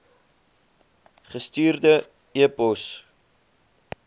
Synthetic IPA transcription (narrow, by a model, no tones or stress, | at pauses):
χəstiːrdə | iəpɔs